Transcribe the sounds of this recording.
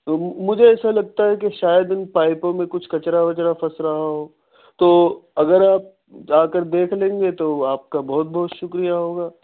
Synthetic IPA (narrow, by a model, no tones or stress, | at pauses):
mʊd͡ʒʱeɛːsalɐɡ̚t̪aɦɛk̬eʃaːjəd̪ɪnpaːɪpõmẽkʊt͡ʃʰkɐt͡ʃɾaʋɐt͡ʃɾafɐsɾɐɦaɦoː | t̪oːɐɡəɾaːp̚ | aːkəɾd̪eːkʰlẽːŋɡet̪oaːp̚kabɔɦt̪̚bɔɦːt̪ʃʊkɾijaɦoːɡaː